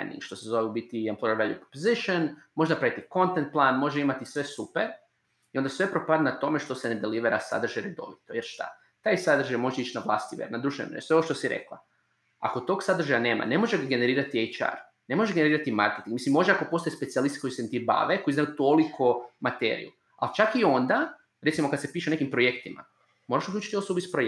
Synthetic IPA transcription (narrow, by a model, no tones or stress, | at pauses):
nd̪ḭŋɡʃt̪o̞sezoʋeubit̪iemplojeɾʋaljṵpɾopoziʃonmoʒenapɾaʋit̪iko̞nt̪ent̪̚plˠanmo̞ʒeimat̪isʋe̞supeɾ | io̞nd̪asʋe̞pɾopad̪nat̪o̞meʃt̪o̞sened̪eliʋeɾasa̰d̪r̩ʒajɾed̪o̞̰ʋit̪ojeɾʃt̪a̰ | t̪aːjsad̪r̩ʒajmo̞ʒeit͡ʃnaʋlˠast̪iʋḛɾnad̪ɾuʃt̪mḛseooʃt̪o̞siɾḛklˠa̰ | a̰ko̞t̪o̞ːɡsad̪ɾ̩ʒajane̞ːma̰ne̞mo̞ʒeɡaɡe̞ne̞ɾiːɾat̪iejt͡ʃa̰ɾ | ne̞moʒeɡeneɾiːɾat̪ima̰ɾket̪iŋɡmisimːo̞ʒeako̞po̞st̪ojespetsialist̪iko̞jiset̪iba̰ʋeko̞iznajut̪o̞likʰomat̪e̞̰ɾḭju | a̰lt͡ʃakio̞nd̪a | ɾe̞t̪simo̞kad̪se̞piːʃeone̞kimpɾojekt̪ima̰ | mo̞ɾaʃuklʲuːt͡ʃit̪io̞sobuispɾo